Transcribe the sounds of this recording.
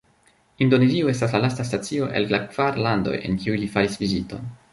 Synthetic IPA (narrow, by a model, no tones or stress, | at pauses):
indo̞ne̞zioe̞staslalastastat͡sio̞ʔe̞̰llakv̥aɾlando̞̰je̞̰nkiujlifaɾisvizito̞̰n